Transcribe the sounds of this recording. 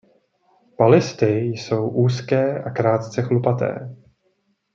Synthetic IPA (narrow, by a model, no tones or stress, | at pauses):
palɪst̪ɪjso̞wʔuːskɛːʔakɾaːt̪t͡sɛxlupat̪ɛ̰ː